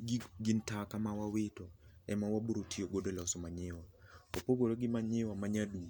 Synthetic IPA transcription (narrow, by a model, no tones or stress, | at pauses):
ɡɪntakamawawɪtɔɛmawabuɾotʰioɡodolɔsɔmaɲɪwaopoɡoɾoɡɪmaɲɪwamaɲadu